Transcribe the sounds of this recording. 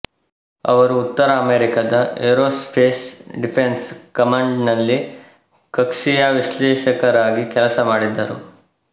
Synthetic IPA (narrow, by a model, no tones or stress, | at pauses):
ɐ̰ʋɐɾuːt̪ːɐɾɐːmeːɾikɐd̪ɐeɾoːspʰeːsɖipʰenskɐmɐɳɖnɐlːi | kɐkʂijaʋiʃlɛːʃɐkɐɾaːɡikɛlɐsɐmaːɽid̪ːɐ̰ɾṵ